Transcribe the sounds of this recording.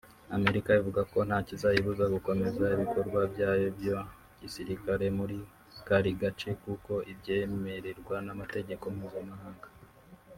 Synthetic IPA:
ame̞ɾikajavuɡako̞n̥haːcizajiβuzaɡuko̞me̞zaiβiko̞ɾɡwabjaːjo̞bjo | ɟisiɾikaɾe̞muɾi | kaɾiɡat͡ʃe̞kuko̞ʔibɟe̞ːme̞ɾe̞ɾɡwanamate̞ɟe̞ko̞mhuzamahaːŋɡḁ

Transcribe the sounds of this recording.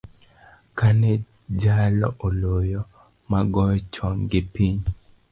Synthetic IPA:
kanɛ | d͡ʒalɔ̰ʔolojɔ | maɡɔjɔt͡ʃɔŋɡɪpiɲ

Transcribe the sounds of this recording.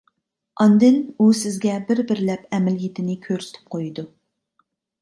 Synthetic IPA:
ɑnd̪ɪnusɪzɡʲɛbɪɾbɪɾɪlɛpɛmɪljet̪ʰɪnɪkʲʰøɾsɪ̥t̪ʰɪ̥p̚qʰojid̪u

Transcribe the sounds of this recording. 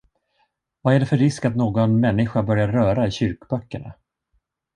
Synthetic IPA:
vaæɖɛfœɾːɪskat̪noːɡɔnmɛnːɪɧabœɾjaɾœːɾaɪɕʏɾkbœkːəɳa̰

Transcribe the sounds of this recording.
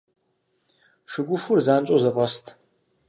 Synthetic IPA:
ʂɨɡʷʊʃʷʊrzaːnt͡ʃʼozɐfʼɐstʰʼ

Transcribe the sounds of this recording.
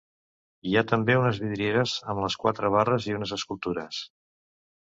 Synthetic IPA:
iat̪əmbeunəzβiðɾieɾəzəmləskwat̪ɾəβ̞arəziunəzəskulˠt̪uɾə̰s

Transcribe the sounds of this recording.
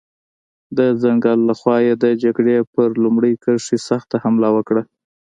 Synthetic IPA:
d̪əzaŋɡɑlːaxwɑjed̪əd͡ʒaɡɽepəɾlumɽəjkəʂisaxt̪ahamlawəkɽa

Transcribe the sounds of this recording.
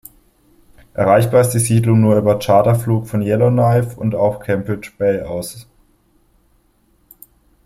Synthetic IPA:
ʔɛɐʁaɪçb̥aːɐɪstd̥iːziːdlʊŋnuːɐyːbɐt͡ʃaːtɐfluːkfɔnjɛlonaɪfʊ̰ntaʊxkʰɛmbʁɪt͡ʃb̥ɛɪaʊs

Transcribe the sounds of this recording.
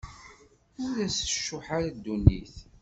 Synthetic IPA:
ʊɾæsə̥ʃːʊħaɾad̪ːunːiθ

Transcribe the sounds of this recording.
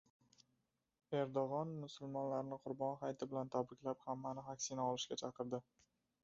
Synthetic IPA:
e̞ɾd̪oʁɒnmʊsʊlˠmɒnlaɾɪnɪqʰʊɾbɒnχajt̪ʰɪbɪlant̪ʰabɾɪkʲlaphamːanɪɦakʲsɪnaɒlɪʃkʲat͡ʃʰɑqɨɾd̪ɪ

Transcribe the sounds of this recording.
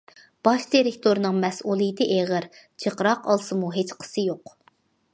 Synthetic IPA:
b̥ɑʃd̪iɾɪk̚t̪ʰoɾnɨŋmɛsulˠɨjt̪ɨʔeʁəɾ | t͡ʃʰəqɾɑqɑlˠsɨmuɦet͡ʃqʰə̥sɨjoq

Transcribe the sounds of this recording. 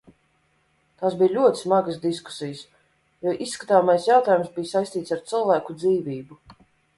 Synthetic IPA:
t̪aːsbijlʲuɔt̪i̥smaɡəsd̪isku̥sijəs | jɔʔisːkḁt̪aːmajsjawt̪aːjumsbijsajst̪iːt̪saɾt̪sɨlˠvæːkud̪ziːviːbu

